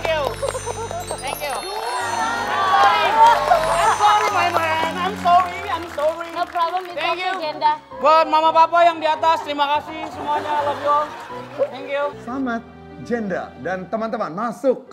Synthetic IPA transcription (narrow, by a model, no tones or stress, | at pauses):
ŋkju | t̪ɛŋkju | aoi | ɛsɔnmamanajmsowiajmsowipɾɔbləmit̪ɛ̃ŋkjud͡ʒɛnda | bɔmamapapajaŋdiat̪ast̪əɾimakasɪhsəmuaɲalobiɔlt̪ɛŋkjusamat̪̚ | d͡ʒenda̰dant̪əmant̪əmanmasʊk̚